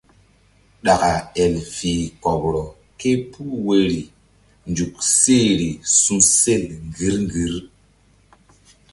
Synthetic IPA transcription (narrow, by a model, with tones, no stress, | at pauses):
ɗa˨ka˨ɛ˨lfi˨kɔ˨bɾɔ˨ | ke˦pʰu˦we˨ɾi˨ | nd͡ʒu˨kse˦˨ɾi˨su˦se˦˨lŋ˨ɡi˨˦ɾŋ˦ɡi˨˦ɾ